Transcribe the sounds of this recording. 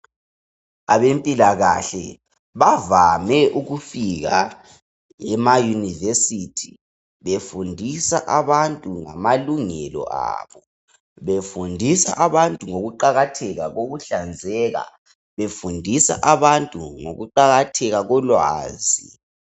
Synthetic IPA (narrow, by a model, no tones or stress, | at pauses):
aβempʼilaɣaɬɛ̰ | βavamɛʔuɣufiɣa | ɛmajunivesitʰi̥ | βefundʱisaʔaβantʼuŋa̰maluŋɛ̰lɔ̰ʔa̰βɔ | βefundʱisa̰ʔaβantʼuŋoɣuǃaɣatʰɛɣaɣoɣuɬand͡zʱɛːɣa̰ | βefundʱisa̰ʔaβantʼuŋo̰ɣuǃaɣatʰɛɣaɣɔlwa̰ːzi